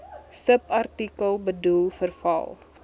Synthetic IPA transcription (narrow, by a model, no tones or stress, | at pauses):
səpɐrtikəlˠbədulˠfərfɐ̰lˠ